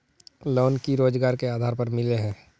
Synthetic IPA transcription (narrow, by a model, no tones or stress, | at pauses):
loːnkiɾoːd͡ʒɡaːɾkeaːd̪ʱaːɾpɐɾmɪleɦɛ̃ː